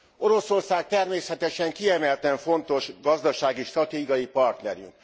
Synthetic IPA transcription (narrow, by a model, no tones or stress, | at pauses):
o̞ɾo̞so̞rsaːk̚t̪ɛrmeːsɛt̪ɛʃɛŋkiɛmɛlt̪ɛɱfo̞nt̪o̞ʃɡɒzd̪ɒʃaːɡiʃt̪rɒt̪eːɡɒjipɒrt̪nɛɾy̰ŋk